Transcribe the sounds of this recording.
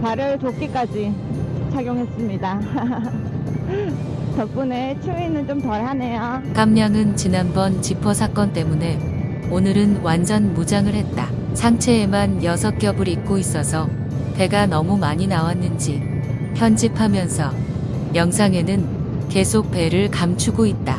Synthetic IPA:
paɾjʌtok͈ik͈ad͡ʑit͡ɕʰaɡjoŋɦes͈ɯmɲida | t͡ɕʌp̚p͈unet͡ɕʰuinɯnt͡ɕomtʌɾɦanejok͈amɲaŋɯnt͡ɕinanbʌnt͡ɕipʰʌsʰak͈ʌnt͈e̞mune̞ | onɯɾɯnwand͡ʑʌnmud͡ʑaŋɯɭhe̞t̚t͈a | sʰaŋt͡ɕʰe̞ːmanjʌsʰʌk͈jʌbɯɾik̚k͈ois͈ʌsʰʌ | te̞ɡanʌmumaɲinawanːɯnd͡ʑi | pʰjʌnd͡ʑipʰamjʌnsʰʌ | jʌŋsʰaŋe̞nɯn | ke̞sʰok̚pe̞ɾɯɭkamt͡ɕʰuɡoit̚t͈a

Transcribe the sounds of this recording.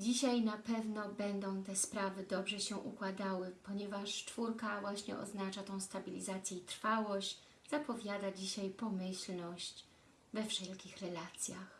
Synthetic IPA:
d͡ʑiɕajnapɛvnɔbɛnd̪ɔ̃w̃t̪ɛspɾavɘd̪ɔbʐɛɕɛʔṵkwad̪awɘpɔɲɛvaʂt͡ʂfuɾkavwaɕɲɛ̰ʔɔ̰znat͡ʂat̪ɔ̃w̃st̪abʲilʲizat̪sʲjɛit̪ɾfawɔɕt͡ɕ | z̥apɔvʲjad̪ad͡ʑiɕajpɔmɘɕlnɔɕt͡ɕ | vɛfʂɛlkʲixɾɛlat̪sʲjax

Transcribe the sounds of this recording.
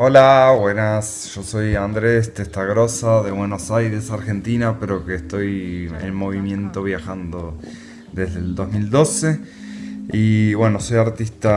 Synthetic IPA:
olaβwe̞nas | ʒ̥o̞so̞jand̪ɾest̪est̪aɣɾo̞saðe̞βwe̞no̞sajɾe̞saɾxe̞nt̪inapeɾo̞keːst̪o̞jḛlmo̞βimjẽ̞nt̪o̞β̞jaxand̪o̞ | d̪e̞zðeld̪o̞zmild̪o̞se̞ | iβwe̞no̞so̞jaɾt̪ist̪a

